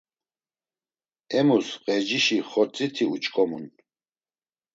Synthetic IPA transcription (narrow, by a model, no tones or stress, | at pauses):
ɛmusqʼɛd͡ʒiʃiχɔt͡sʼit̪ʰiut͡ʃkʼɔmṵn